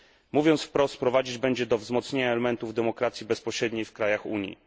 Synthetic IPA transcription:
muvʲjɔnt̪sfpɾɔst̪pɾɔvad͡ʑid͡ʑbɛɲd͡ʑɛd̪ɔvzmɔt̪sɲeɲaɛlɛmɛnt̪uvd̪ɛmɔkɾat̪sʲjibɛspɔɕɾɛd̪ɲejfkɾajaxṵɲjḭ

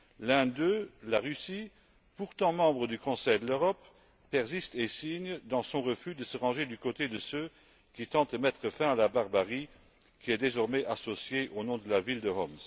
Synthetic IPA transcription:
lɛ̃d̪ølaʁysi | puʁt̪ɑ̃mɑ̃bʁəd̪ykɔ̃sɛjd̪əløʁɔpː | ɛʁzist̪esiɲd̪ɑ̃sɔ̃ʁəfyd̪əsəʁɑ̃ʒed̪ykot̪ed̪əsø | kit̪ɑ̃t̪̚əmɛt̪χəfɛ̃alabaʁbaʁi | kʰʲiɛd̪ezɔʁmɛʔasosjeʔonɔ̃d̪əlavild̪əɦɔms

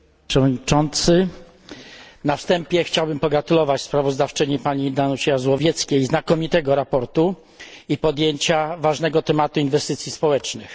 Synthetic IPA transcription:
ʂɛvɔdɲit͡ʂɔnt̪sɘ | nafst̪ɛmpʲjɛxt͡ɕawbɘmpɔɡɾat̪ulɔvat͡ɕspɾavɔzd̪aft͡ʂɘɲipaɲid̪anuɕɛjazwɔvʲjɛt̪skʲejznakɔmʲit̪ɛɡɔɾapɔɾt̪u | ipɔd̪jeɲt͡ɕavaʐnɛɡɔt̪ɛmat̪uinvɛst̪ɘt̪sʲjispɔwɛt͡ʂnɘx

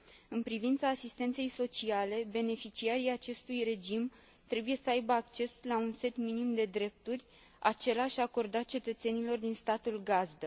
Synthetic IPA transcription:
ɨnpɾivint̪saːsist̪e̞nt̪se̞jso̞t͡ʃiale̞be̞ne̞fit͡ʃiaɾijat͡ʃe̞st̪ujre̞d͡ʒim | t̪ɾe̞buje̞səajbəakt͡ʃe̞slaunse̞t̪minimd̪e̞d̪ɾe̞p̚t̪urʲ | at͡ʃe̞laʃʲako̞rd̪at̪̚t͡ʃe̞t̪ət̪se̞nilo̞rd̪inst̪at̪ulɡazd̪ə

